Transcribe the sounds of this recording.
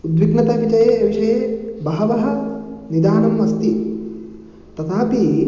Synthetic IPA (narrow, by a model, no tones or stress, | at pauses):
ud̪ʋiknɐt̪aːʋit͡ʃɐjeːɐʋiʂɐjeːbɐɦɐʋɐɦɐ̆nid̪aːɳɐmʋɐst̪i | t̪ɐt̪ʰaːpi